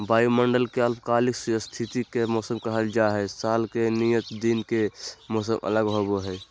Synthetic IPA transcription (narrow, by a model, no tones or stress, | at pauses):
baːjiməɳɖəlkeəlpkaːliksst̪ʰit̪ikemɔːsəmkəɦəld͡ʒaɦɛsaːlkenijət̪d̪inkemoːsəmə̰ləɡɦoboɦɛː